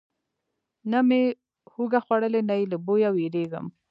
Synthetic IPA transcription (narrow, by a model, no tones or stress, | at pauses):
name | huɡaxwaɽəlenajləbojaweɾeɡə̰m